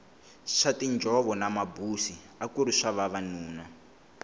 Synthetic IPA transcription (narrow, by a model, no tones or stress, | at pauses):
ʂatind͡ʒʱɔβɔnamabusi | akuɾiʂaβaβanuːna